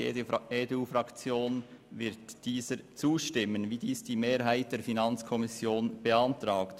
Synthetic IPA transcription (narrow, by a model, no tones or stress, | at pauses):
ḛeːduːfɾɑkt͡sjoːnvɪɾtd̥iːzəɾt͡suːʃtɪmənviːdiːsd̥iːmeːɾɦaɪt̚d̥eːɾfinɑnt͡skʰɔmɪsjoːnb̥əɑntʁɑːkt